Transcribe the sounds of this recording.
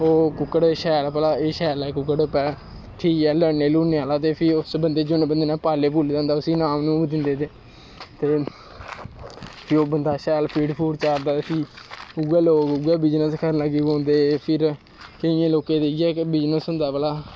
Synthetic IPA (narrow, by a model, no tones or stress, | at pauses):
oːkʊkːəɽʃɛːlpəlaːeːʃɛːlɛːkʊkːəɽpɛː | ʈʰiːkɛːləneːluːneːaːlaːt̪eːpʰɪʊsbənd̪eːd͡ʒʊnẽːbənd̪eːnaːpaːleːp̬uːlid̪ãːnd̪aːʊsiːnaːmnũːbd̪ɪ̃nd̪eːt̪eː | t̪eː | pʰɪɾoːbənd̪aːʃɛːlpʰiːɖpʰuːɽt͡ʃaːɾd̪aːpʰiːuːɛːloːkuːɛːbɪd͡ʒnəskʰəɾnaɡiːɡõːnd̪eːpʰɪɾ | kəĩjẽːloːkẽːd̪eːiːɛːkbɪd͡ʒnəsɦʊ̃nd̪aːpəlaː